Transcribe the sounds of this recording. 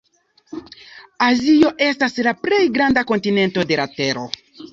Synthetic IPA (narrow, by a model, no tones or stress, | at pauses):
azio̞ʔe̞staslaple̞jɡɾandako̞ntine̞nto̞de̞late̞ɾo̞